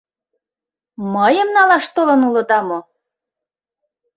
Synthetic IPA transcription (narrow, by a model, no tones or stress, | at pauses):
məjə̆mnɑlɑʃt̪olɤ̆nulɤ̆d̪ɑmo